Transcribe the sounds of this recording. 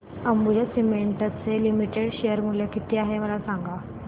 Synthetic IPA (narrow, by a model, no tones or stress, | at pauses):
əmbud͡ʑasimeɳʈət͡selimiʈeɽɕejəɾmuljakit̪iːaɦeməlasaŋɡa